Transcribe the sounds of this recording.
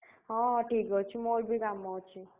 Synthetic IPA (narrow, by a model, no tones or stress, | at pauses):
ɦɔ̃ʈʰikɦɔt͡ʃʰimoɾbʱiɡamːat͡ʃʰi